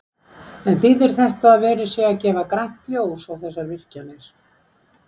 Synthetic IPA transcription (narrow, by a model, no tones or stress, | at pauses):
ɛnθiðɛɾ̥θɛht̪aːðvɛːɾɪsjɛɣacɛːvakɾajŋ̥t̪ljoːwsawθɛsːaɾvɪr̥canejɾ̥